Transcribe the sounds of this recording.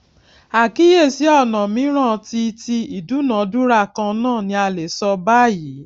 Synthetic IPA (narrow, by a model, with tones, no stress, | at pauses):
a˨ki˦je˦˨si˨˦ɔ˦˨nã˨mĩ˨˦ɾ̃ã˦˨ti˧ti˧i˨du˨˦nã˨˦du˦ɾa˦˨kã˧nãː˦˨nĩ˧a˧le˨sɔ˧ba˦˨ji˨˦